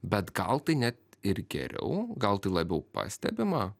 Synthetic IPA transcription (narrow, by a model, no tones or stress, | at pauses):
bʲɛt̪ɡɐlˠt̪ɐɪnʲɛt̪ɪɾɡʲɛ̰ɾʲɛ̰ʊɡɐlˠt̪ɐɪlˠɐbʲɛʊpɑ̰ːsʲt̪ʲɛ̰bʲɪmɑ